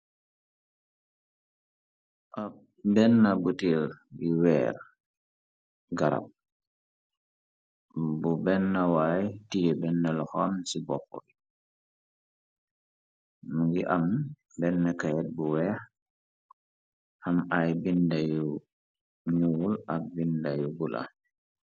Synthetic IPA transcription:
ʔa | bɛnːɐbutiɾjuwɛ̰ːɾ | ɡaɾa̰p̚ | bubɛnːɐwajtijɛbɛnːɐlɔxɔmsibɔxɔ̰j | muŋɡiʔam | bɛnːakajɛt̚buwɛːx | hamajbindaju | ɲuwulak̚bindajubula̰

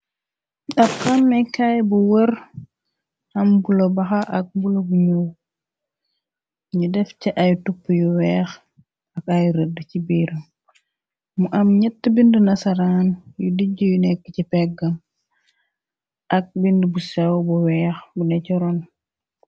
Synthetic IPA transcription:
ɗɐfkanːɛkajbuwər | ɐmbulobɐxaʔɐk̚bulobuɲuw | ɲudɛfcɛʔɐjutupːjuwɛːx | ɐkajuɾədːəcibiːɾɐ | muʔɐmɲɛtːəbindənɐsɐɾaːnjudiɟujunɛkːəcipɛɡɐm | ʔɐk̚bindəbusɛwbuwɛːxbunɛcɔɾɔn

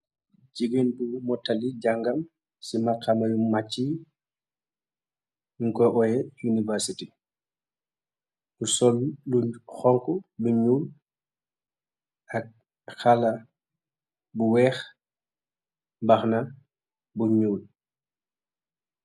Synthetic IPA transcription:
d͡ʒiɡenpumɔtːaliɟaŋɡɐm | simakːamɐjumat͡ʃːi | ŋkɔʔɔjɛjunivɛɾsiti | usɔlluxɔŋkuluɲuːl | ɐk̚ | xalɐ | buwɛːx | baxna | buɲuːl

